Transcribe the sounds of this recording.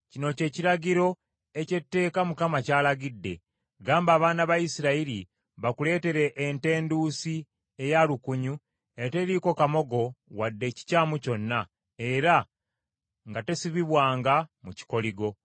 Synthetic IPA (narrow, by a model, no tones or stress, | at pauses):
cino̞ce̞ːciɾaɟiɾo̞ | e̞ce̞tːe̞ːkamukamacaːlaɡidːe̞̰ | ɡaːmbaːβaːnaβajisiɾaiɾi | βakule̞ːte̞ɾe̞ʔːnte̞ːnduːsi | e̞jalukuɲu | eate̞ɾiko̞kamo̞ɡo̞wadːe̞ːci̥caːmuco̞nːa | e̞ɾa | ŋɡate̞siβiβwaːŋɡamuci̥ko̞liɡo̞